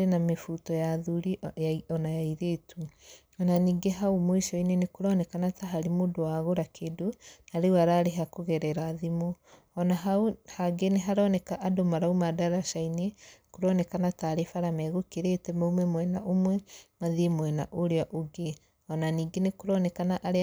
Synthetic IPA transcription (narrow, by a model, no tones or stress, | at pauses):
aɾenamefutɔjaðuɾijaiɔnajaiɾetʰu | ɔnaniːɡeɦaomoiʃɔinenekoɾɔnɛkanataɦaɾemoːdowaɣoɾakʰedonaɾewaɾaɾeɦakoɣɛɾɛɾaðimo | ɔnaɦauhaɡeneɦaɾɔnɛkaʔadomaɾaumadaɾaʃainekoɾɔnɛkanataɾefaɾamɛɣokeɾetɛmaumɛmwɛnaʔomwɛmaðimwɛnaʔoɾeaʔoɡe | ɔnaniːɡenekoɾɔnɛkanaʔaɾe